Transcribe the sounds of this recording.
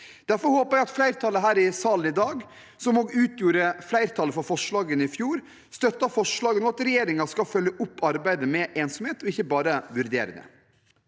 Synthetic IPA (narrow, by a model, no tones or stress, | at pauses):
d̪̥æɾfɔɾhoːpəɾjæɪɑt̪flæɪɾt̪ʰɑːləɦæːɾɪsɑːlən̩ɪd̪ɑːɡ | sɔmoːɡʉːt̪ʰjuːɾəflæɪɾt̪ʰɑːləfɔfɔʂɭɑːɡənɪfjuːɾ | st̪œt̪ːɑfɔʂɭɑːɡənɔɑt̪ɾɛjeːɾɪŋɑskɑfœljəʔʊpːɑɾbæɪd̪əmɛʔeːnsɔmheːt̪ɔɪçːəbɑːɾəʋʉɾd̪ḛːɾə̰d̪ə̰